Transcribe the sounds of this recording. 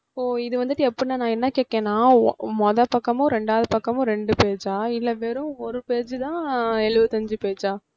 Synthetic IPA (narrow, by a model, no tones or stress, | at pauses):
poːɪðɯʋɐnd̪ɯʈːɯɛpːɐnanãːɛnːɐkeːʈ̚kːẽːnãːmɔðɐpɐkːɐmʊ̃ɾɛɳɖaːʋðɯpɐkːɐmʊ̃ɾɛɳɖɯpeːt͡ʃaːɪlːɐʋeːɾʊ̃ɔɾɯpeːt͡ʃɯt̪ãːɛɭɯʋɯt̪ɐɲd͡ʒɯpeːt͡ʃaː